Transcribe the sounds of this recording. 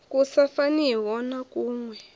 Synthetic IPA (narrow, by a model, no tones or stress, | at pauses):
kʼusafaniwɔnakʼuːŋwɛ